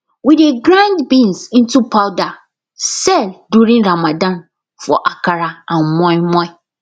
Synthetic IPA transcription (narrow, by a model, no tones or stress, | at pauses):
wideɡɾãndbĩnsĩntupʰaʊda | sɛlduɾĩŋɹamãdãn | fɔ̰ʔakaɾaãnmɔ̃imɔ̃ɪ